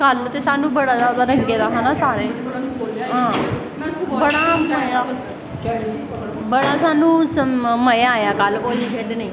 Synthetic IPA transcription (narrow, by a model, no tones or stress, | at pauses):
kalət̪eɕanũːbəɽad͡zat͡saɾəŋket̪asanasaɾẽ | ɦã | bəɽaəja | bəɽasanuːsməjaːjakalpɔliɡʱeʈnai